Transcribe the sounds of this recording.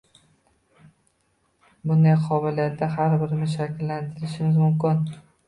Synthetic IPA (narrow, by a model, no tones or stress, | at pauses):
bʊnd̪ajqʰɒvɪlijat̪d̪ːaɦaɾbɪɾɪnɪʃakʲlːant̪ʰɪɾɪʃɪmɪzmʊmkʲɪn